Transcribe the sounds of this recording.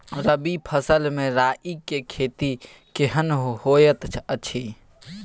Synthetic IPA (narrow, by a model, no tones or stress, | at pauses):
ɾəbipʰəsəlmẽɾaːʔikekʰeːt̪i | keɦənhojət̪t͡ʃʰət͡ʃʰi